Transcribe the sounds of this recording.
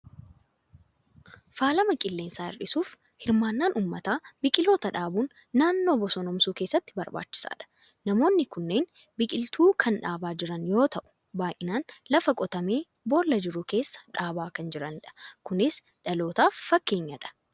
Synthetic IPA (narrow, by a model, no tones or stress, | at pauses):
faːlɐmɐkʼɪlːe̞ːnsaːɪ̰rɗɪsuːf | hɪɾmaːnːaːnʔuːmːɐt̪aːbɪkʼɪlo̞ːt̪ɐᶑaːbuːnː | aːnːoːbɔsɔnɔmsuːke̞ːsːɐt̪ːɪ̥bɐɾba̰ːt͡ʃːɪ̥sa̰ːᶑɐ̥ | nɐmo̞ːnːɪkʊnːe̞ːn | bɪkʼɪlt̪ʰuːkʰɐnᶑaːbaːd͡ʒɪɾɐnjo̞ːt̪ɐʔʊ̥ | baːjʔɪnaːnlɐfɐkʼɔt̪ɐme̞ː | bo̞ːlːɐd͡ʒɪɾʊke̞ːsːɐ̥ᶑaːbaːkɐnd͡ʒɪɾɐnᶑɐ̥kʊnɪs | ᶑɐlo̞ːt̪aːfːɐkːe̞ːɲːɐᶑɐ̥